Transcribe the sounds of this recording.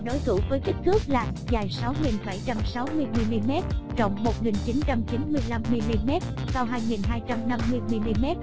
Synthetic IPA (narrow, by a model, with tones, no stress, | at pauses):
ɗo˨˦jt̪ʰu˧˩vəː˨˦jki˦˥k̚kɨ˦˥ək̚laː˨˩ | zaː˨˩jsa˨˦wŋi˨˩nɓa˧˩jt͡ɕa˧msa˨˦wmɨ˧əjmi˧li˧mɛ˦˥t̚t͡ɕɔ̰˧˨wŋ͡mmo˨˩t̚ŋi˨˩nt͡ɕi˨˦nt͡ɕa˧mt͡ɕi˨˦nmɨ˧əjla˧mːi˧li˧mɛ˦˥t̚ | sa˧wɦaː˧jŋi˨˩nɦaː˧jt͡ɕa˧mna˧mːɨ˧əjmi˧li˧mɛ˦˥t̚